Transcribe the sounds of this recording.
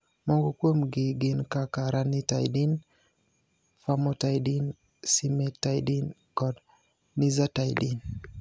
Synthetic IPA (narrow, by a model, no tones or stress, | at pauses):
mɔŋɡokwomɡɪɡɪnkakaɾanita̰jdin | famɔtajdin | simetajdin | kɔd | nizatajdin